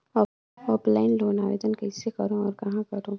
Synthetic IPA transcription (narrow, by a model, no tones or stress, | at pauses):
ɔ | ɔːplaːɪnloːnaːʋeːd̪ənkɛɪsekɐɾõɔːɾkɐɦãkɐɾõː